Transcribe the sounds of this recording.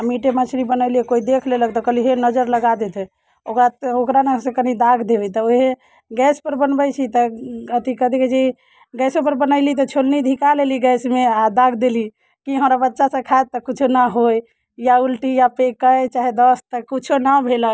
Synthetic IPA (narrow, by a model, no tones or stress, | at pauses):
amiʈemət͡ʃʰɾibənəliekoid̪ekʰlelək̚t̪ɔkəliɦenəd͡ʒəɾləɡad̪et̪ʰɛ | okɾaokɾanesẽkənid̪aɡʱd̪ebit̪ɔoɦe | ɡɛspəɾbənbəjt͡ʃʰit̪ɔət̪ikəd̪ʱiked͡ʒi | ɡɛsopəɾbənəɪlit̪ɔt͡ʃʰolnid̪ʱikaleliɡɛsmead̪aɡʱd̪eli | kiɦəmɾabətːʃasə̃kʰaet̪ːɔkut͡ʃʰonəɦoj | jaulʈijapekəjt͡ʃaɦed̪əst̪əkut͡ʃʰonəbʱelək̚